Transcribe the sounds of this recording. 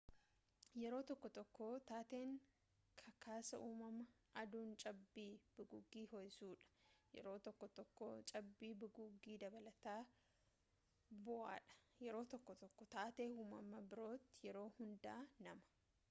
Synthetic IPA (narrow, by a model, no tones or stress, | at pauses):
jɛɾo̞ːt̪ɔkːɔt̪ɔkːoːt̪aːt̪e̞ːŋ | kʰɐkʰaːsɐʔuːmɐmɐ | ʔɐd̪uːnt͡ʃʼɐbːiːb̥ɪɡʊɡiːhɔjsuːᶑɐ̥jɛ̰ɾo̞ːt̪ɔkːɔt̪ɔkːoːt͡ʃʼɐbːiːbɪɡʊɡːiːd̪ɐbɐlɐt̪aː | bʊʔa̰ːᶑɐ̥jɛɾo̞ːt̪ɔkːɔt̪ɔkːɔt̪aːt̪e̞ːhuːmɐmɐbɪɾo̞ːt̪ːɪjɛɾo̞ːhʊnd̪aːnɐmɐ̥